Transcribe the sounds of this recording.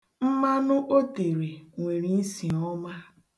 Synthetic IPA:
m̩˦ma˦nʊ˦ʔo˦te˨ɾe˨ŋʷe˨ɾi˨n̩˦si˨ɔ˦ma˦

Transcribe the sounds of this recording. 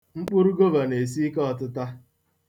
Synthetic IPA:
ŋ͡m̩˦k͡pʊ˦ɾu˦ɡo˦ba˨ne˨s̬i˦kɔ˨tʊ˦ta˦

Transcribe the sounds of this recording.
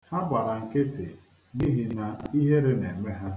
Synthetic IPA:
ha˦ba˨ɾa˨ŋ̩˨kɪ˦tɪ˨ | ni˦ɦi˨na˨i˦ɦe˦ɾe˦ne˨me˦ɦa˦

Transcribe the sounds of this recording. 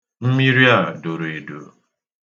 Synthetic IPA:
m̩˦mi˦ɾi˦a˦˨do˨ɾe˨do̰˨

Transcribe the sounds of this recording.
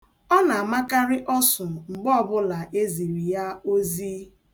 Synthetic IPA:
ɔ˦na˨a˨ma˦ka˦ɾɪ˦ʔɔ˦sʊ˨ŋ͡m̩˨ɡ͡bɔ˦ɔ˨bʊ˦la˨ʔe˦zi˨ɾi˨ja˦o˦ziː˦

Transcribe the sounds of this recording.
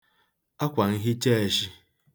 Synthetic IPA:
a˦kʷa˨ŋ̩˦ɦi˦t͡ʃe˦e˨ʃi˦

